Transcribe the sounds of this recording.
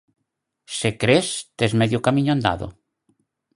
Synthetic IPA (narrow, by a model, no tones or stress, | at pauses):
sekɾest̪ezmeðjokamĩɲoãnd̪a̰ðo̰